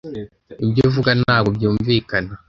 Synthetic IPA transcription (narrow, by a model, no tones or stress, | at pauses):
ibjovuɡanaːɡobjuːɱviːkana